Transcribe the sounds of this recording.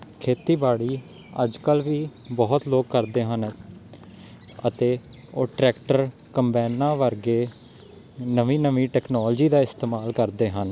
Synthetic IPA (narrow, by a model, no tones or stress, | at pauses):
kʰeːt̪iːbaːɽiː | əd͡ʒkəlʋiːbɔːt̪loːkkːəɾd̪eːɦən | ət̪eː | oːʈɾɛːkʈəɾ | kəmbɛːnãːʋəɾɡeː | nəʋĩːnəʋiːʈɛːknɔːld͡ʒiːd̪aːɪst̪eːmaːlkəɾd̪eːɦən